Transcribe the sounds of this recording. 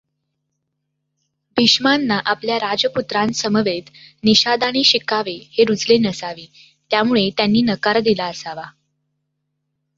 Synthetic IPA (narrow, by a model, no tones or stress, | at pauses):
bʱiɕmanːaʔapljaɾad͡ʑəput̪ɾãnsəməʋet̪niɕad̪aɽ̃iːɕikaʋeheɾud͡zlenəsaʋiː | t̪jamuɭet̪janːiːnəkaɾd̪ilaəsaʋa